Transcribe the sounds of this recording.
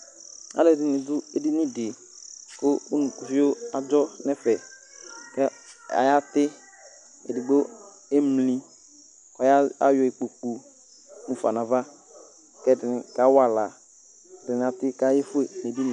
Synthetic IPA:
a̰˨˦lɛ˨dɪ˨nɪ˨dʊ˦e˨di˦ni˦dɪ˨ | kʊ˦u˦nũ˨ku˨vi˦o˦a˨d͡ʒɔ˦nɛ˦fɛ˨ | kɛ˦a̰˨ja˦tɪ˦ | ḛ˨di˨ɡ͡bo˦ | e˦mli˨ | kɔ˨ja˦a̰˦jɔ˨i˨k͡po˨k͡pu˨˦ | nũ˨fa˨na˨va˦ | kɛ˦˨dɪ˨nɪ˨ka˨˦wa˨la˨ | dɪ˨n˨a˨tɪ˦ka˨˦je˦fʊ˦e˨ne˨bi˦n˨

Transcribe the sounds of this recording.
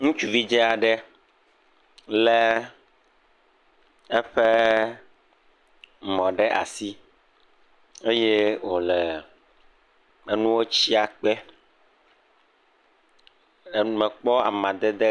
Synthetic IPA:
ŋũ˦t͡ʃu˨vi˦d͡ʒɛ˦a˨ɖɛ˦ | lɛ˦ | ɛ˦ɸe˦˨ | mɔ̃˨ɖɛ˦ʔa̰˨si˦ | e˦je˦wo˨lɛ˨ | ɛ˨nũ˦wo˦t͡ɕi˦a˨k͡pɛ˦˨ | mɛ̃˨k͡pɔ˦a̰˨mã˨d̪ɛ˦d̪e˦

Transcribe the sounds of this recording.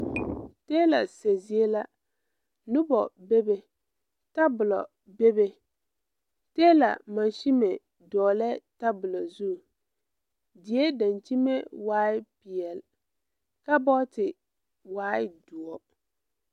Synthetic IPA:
teː˦la˨se˨zi˨˦e˦la˦ | nʊ˦bɔ˨be˦be˦ | ta˦bʊ˨lɔ̰˨ | be˦be˦ | teː˦la̰˨ma˨nʃi˦me˨ | dɔː˨lɛ˦ta˦bʊ˨lɔ˨zu˦˨ | dɪ˨˦e˦da˨nt͡ʃi˦me˦waː˦ɪ˦pi˨ɛ˨l | ka˦bɔ˦tɪ˨ | waː˦ɪ˦du˨ɔ˦

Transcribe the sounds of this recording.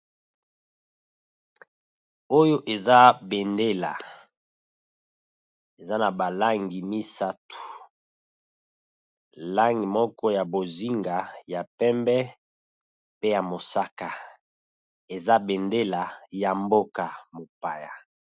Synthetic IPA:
o˦jo˦ʔe˨za˦be˨nde˦la˨ | e˨za˦na˨ba˨la˦ŋɡi˨mi˦sa˦tu̥˨ | la˦ŋɡi˨mɔ˦kɔ˦ja˨bo˨zi˦ŋɡa˨ja˨pɛ˦mbɛ˦ | pe˦ja˨mo˨sa˦ka˨ | e˨za˦be˨nde˦la˨ja˨mbo˦ka˨mo˨pa˨ja˨

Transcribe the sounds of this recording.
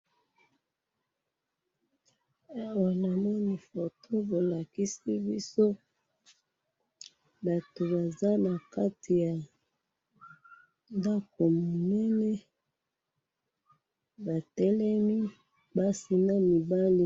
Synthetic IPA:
a˦wa˨la˨ma˦ni˨fo˨tʰo˦bo˨la˨ki˦si˦bi˦so˦ | ba˨to˨ba˨za˦na˨ka˦tʰi˨ja˨ | nda˦ko˨mo˨nɛ˦nɛ˦ | ba˨tɛ˦lɛ˦mi˦ | ba˦si˨na˦mi˨ba˦li˦

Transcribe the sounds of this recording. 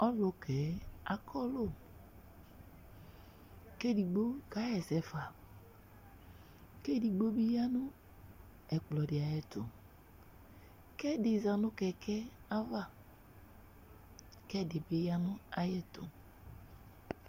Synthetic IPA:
ɔ˦lʊ˨kʰɛ˨˦a̰˨kʰɔ˦lo˦ | ke˦˨di˨ɡ͡bo˦ɡa˨˦jɛ˨sɛ˨fa˨ | ke˦˨di˨ɡ͡bo˦bi˦ja˦nʊ˦ | ɛ˨k͡plɔ˨dɪ˨a˨jɛ˦tʊ̰˨ | kɛ˦dɪ˨za˨nʊ˦kɛ˨kʰɛ˦a˦va˦ | kɛ˦dɪ˨bɪ˦ja˦nʊ˦a˦jɛ˦tʊ̰˨

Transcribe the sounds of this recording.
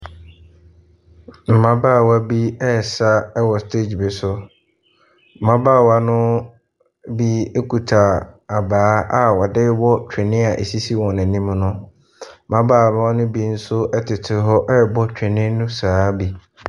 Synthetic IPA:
m̩˨mã˦baː˦˨wa˦bi˦ɛ˦˨sa˦ɛ˦wɔ˨stʰe˦˨d͡ʑbɪ˨sʊ˦ | m̩˨mã˦baː˦˨wa˦nʊ̃˦ | bi˦e˦kʰu˨tʰa˨a˨baː˨˦a˨wɔ˨dɪ˦wɔ˦t͡ɕʰᶣɪ˨nɪ̃˦a˨ʔḛ˨si˦si˦wɔ̃˨nɛ̃˨nĩ˦mnʊ̃˦ | m̩˦mã˦baː˦˨mã˦wɔ˦nʊ̃˦bi˦n̩˦sʊ˦ɛ˦tʰɪ˨tʰɪ˨ɦɔ˦ʔɛ˦˨bɔ˦t͡ɕᶣɪ˨nɪ̃˦nʊ̃˦saː˨˦bi˦

